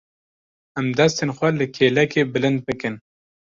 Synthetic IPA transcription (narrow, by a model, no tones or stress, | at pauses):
amd̪ast̪enxʷwaləkʰelakebɨlɨnd̪̚pɨkɨn